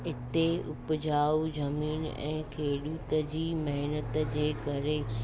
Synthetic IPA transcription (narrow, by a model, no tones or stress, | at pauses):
ɪt̪eʊpd͡ʑaːud͡ʑɐmiːnɛ̰̃ːkʰeːɗuːt̪əd͡ʑiːmɐɦɪnət̪d͡ʑeːkɐɾe